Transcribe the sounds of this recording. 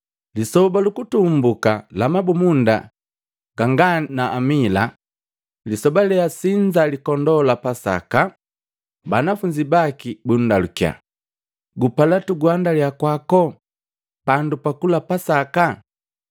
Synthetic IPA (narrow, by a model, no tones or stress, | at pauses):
lisɔbalukutumbukalamabumunda | ɡ̥aŋɡanaʔːmila | lisɔbalɛasiɲd͡ʒalikɔndɔlapasa̰ka | banafuɲd͡ʒibakibun̩dalukja̰ | ɡupalatuɡwandaljakwakɔ | pandupakulapasaka